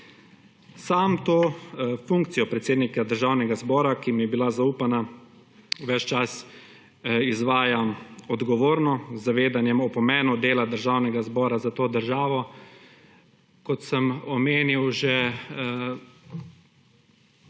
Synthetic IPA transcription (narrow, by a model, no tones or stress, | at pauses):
saːmt̪oːfuŋkt̪sijɔpɾɛt̪seːd̪nikad̪əɾʒaːwnɛɡazbɔːɾakimjɛbilazauːpana | ʋɛt͡ʃt͡ʃas | izʋaːjamɔd̪ɡɔʋoːɾnɔzːaʋeːd̪anjɛmɔpɔmɛːnud̪eːlad̪əɾʒawnɛɡazbɔːɾazat̪oːd̪əɾʒaːʋɔ | kɔt̪sɛmɔmeːniwʒɛ